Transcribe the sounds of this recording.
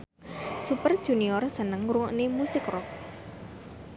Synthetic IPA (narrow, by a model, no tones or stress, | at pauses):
supərd̥ʒ̥ṳniɔrsənəŋɾuŋɔʔnimusɪkrɔk̚